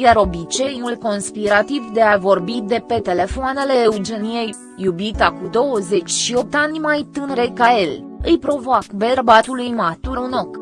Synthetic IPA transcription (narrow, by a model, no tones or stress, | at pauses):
jaɾo̞bit͡ʃe̞julko̞nspiɾat̪ivd̪e̞avo̞rbid̪e̞pe̞t̪e̞le̞foane̞le̞ːud͡ʒe̞nijejː | ubit̪akud̪o̞wəze̞t͡ʃʲʃio̞p̚t̪anʲmajt̪ɨnɾe̞kae̞lɨjpɾo̞voakberbat̪ulujmat̪uɾuno̞k